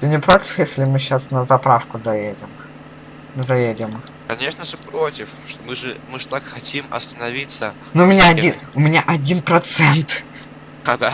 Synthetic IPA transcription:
t̪ɨnʲɪpɾotʲɪ̥fjesʲlʲɪmɨɕasnəzɐpɾafkʊd̪ɐjedʲɪm | zɐjedʲɪm | kɐnʲeʂnəʐɨpɾotʲɪfʂt̪omɨʐɨmɨʐɨt̪akxɐtʲimɐ̰st̪ənɐvʲit̪sə | nuʊmʲɪnʲaɐdʲinʊmʲɪnʲaʔɐdʲinpɾɐt̪sɛnt̪ | d̪a

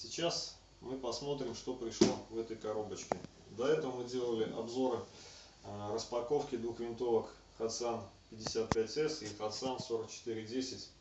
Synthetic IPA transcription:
sʲɪt͡ɕas | mɨpɐsmo̞t̪ɾʲɪmʂt̪o̞pɾʲɪʂlˠo̞vɛt̪əjkɐɾo̞bət͡ɕkʲɪ | d̪ɐɛt̪əvəmɨdʲe̞lˠəlʲɪʔɐ̰bzo̞ɾɨ | rəspɐko̞fkʲɪd̪vuxvʲɪnt̪o̞vək | xɐt̪sɨanpʲɪdʲːɪsʲat̪̚pʲætʲɛsixɐt̪sɨanso̞ɾək̚t͡ɕɪ̥t̪ɨɾʲɪdʲesʲɪtʲ

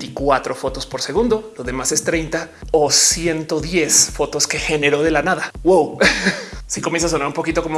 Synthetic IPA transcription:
t̪ikwat̪ɾo̞fo̞t̪o̞spo̞ɾse̞ɣ̞ũnd̪o̞lo̞ðe̞mase̞st̪ɾejnt̪aosje̞nt̪o̞ðje̞sfo̞t̪o̞ske̞xe̞ne̞ɾo̞ðe̞lanaðawow | sikomje̞ns̬as̬o̞naɾumpokit̪o̞komo

